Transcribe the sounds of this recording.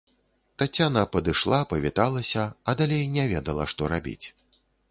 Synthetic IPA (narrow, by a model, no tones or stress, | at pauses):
t̪at͡sʲːanɐpɐd̪ɨʂlˠapɐvʲit̪alˠɐsʲɐɐd̪alʲejnʲɛvʲɛd̪ɐlˠɐʂt̪ɔɾabʲḭt͡sʲ